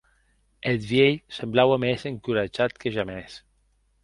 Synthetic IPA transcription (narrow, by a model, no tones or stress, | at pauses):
et̪βjeʎsemblawemezeŋkuɾad͡ʒat̪keʒames